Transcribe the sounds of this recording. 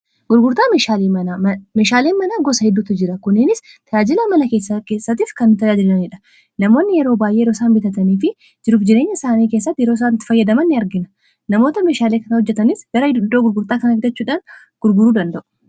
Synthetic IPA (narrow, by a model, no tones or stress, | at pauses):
ɡʊɾɡʊɾt̪aːeʃaliːɐameːʃaːleːnmɐnaːɡɔsɐhɛd̪ːuːt̪ɪd͡ʒɪɾɐkʊnːɪnɪst̪ʰɐjaːd͡ʒɪlɐmɐlɐke̞ːsːɐkeːsːɐt̪iːfkɐnːɪt̪ɐd͡ʒad͡ʒɪɾnɐniᶑɐ̥ | nɐmo̞ːnːɪjɛɾo̞ːbaːjʔeːjɾo̞ːsaːnbɪt̪ɐt̪ɐniːfɪ | d͡ʒɪɾuːfd͡ʒɪɾe̞ːɲːɐɪsaːniːkeːsːɐt̪ːjɛɾoːs̬aːnt̪ɪ̥fɐjːɐd̪ɐmɐnːɪɐɾɡɪnɐ̥ | nɐmo̞ːt̪ɐme̞ːʃaːleːkɐnɐhɔd͡ʒːɛt̪ɐnɪsɡ̥ɐɾɐhɪd̪ʊd̪ːoːɡʊɾɡʊɾt̪aːkɐnɐfɪd̪ɐt͡ʃːuːᶑaːn | ɡ̥ʊɾɡʊɾuːd̪ɐnd̪ɐʔʊ̥